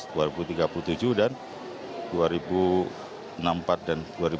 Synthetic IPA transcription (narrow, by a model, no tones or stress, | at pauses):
duaɾibut̪iɡapulut̪ud͡ʒuhdan | duaɾibu | ənampat̪̚danduaɾi